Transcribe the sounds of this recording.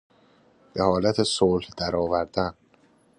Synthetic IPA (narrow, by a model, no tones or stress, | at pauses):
b̥e̞hɒːlæt̪ʰesoːlhd̪̥æɾɒːvæɾd̪æn